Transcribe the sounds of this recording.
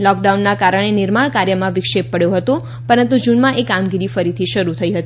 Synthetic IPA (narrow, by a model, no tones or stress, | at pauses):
lɔk̚ɖaunːakaɾəɳ̃enɪɾmaɳkaɾjəmãʋɪkʃepːəɽjoɦət̪o | pəɾənt̪ud͡ʒunmãʔekamɡiɾifəɾit̪ʰiʃəɾut̪ʰəiɦət̪ii